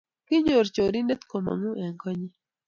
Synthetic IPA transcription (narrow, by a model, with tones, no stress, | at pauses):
kɪ˦ɲo˨ɾt͡ʃo˨ɾi˦ne˦t̪ko˨ma̰˨ŋu˦ʔɛ˨ŋkɔ˦ɲi˦